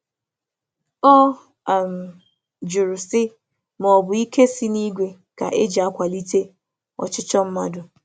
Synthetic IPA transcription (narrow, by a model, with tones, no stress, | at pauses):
ɔ˦ | a˨m̩˨ | d͡ʒʊ˨ɾʊ˨sɪ˦ | m˨ɔ˨bʊ˨i˦kʰe˦si˦ni˦ɡʷe˨ | ka̰˨ʔe˦d͡ʒi˨a˦kʷa˨li˦te˦ | ɔ̰˨t͡ʃɪ˦t͡ʃɔ˦m̩˦ma˦dʊ˨